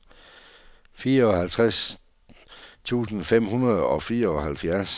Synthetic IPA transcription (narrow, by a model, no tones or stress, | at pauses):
fiːɐɒ̽hælt͡sʰʁas | t͡sʰṵːsn̩fem̰hunɐð̞̩ˠɒ̽fiːɐɒ̽hælfjæɐs